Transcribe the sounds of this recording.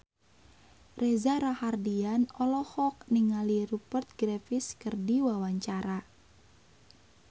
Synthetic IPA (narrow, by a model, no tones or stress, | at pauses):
rʔɛzaɾahardianɔlɔhɔk̚niŋalirupərt̪̚ɡɾafiskərdiwawaɲt͡ʃaɾa